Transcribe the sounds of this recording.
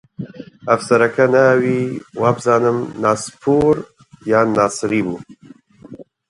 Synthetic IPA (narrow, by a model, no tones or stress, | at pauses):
ɐfsɐɾɐkʰɐnawiːwaːbzaːnɨmnaːspʰuːɾ | jaːnɑːsɨɾiːbuː